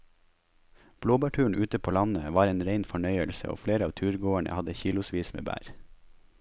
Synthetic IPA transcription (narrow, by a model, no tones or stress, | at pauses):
b̥loːbɑʈʰʉːɳ̩ʔʉːt̪əpʰoːlɑnəʋɑːɾeːnɾeɪnfɔɳœʏəlsə̰ʔo̰ːfleːɾəɑːʋt̪ʰʉːɾɡoːæɳə̰hɑd̪əçiːlʊsʋiːsmḛːbæ̰ːɾ